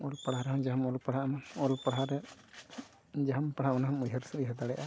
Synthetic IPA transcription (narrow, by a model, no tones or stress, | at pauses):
ɔlpaɽaɾɛɦɔmd͡ʒaɦmɔlpaɽ̤amaɔlpaɽɦaɾɛ | d͡ʒaampaɽ̤amanaɦmujɦaɾsuujɦad̪aɽɛjʔa